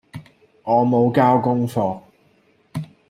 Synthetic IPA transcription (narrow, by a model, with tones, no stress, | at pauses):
ŋɔː˨˧mo˨˧wkaː˥wkʊ˥ŋfɔː˧k̚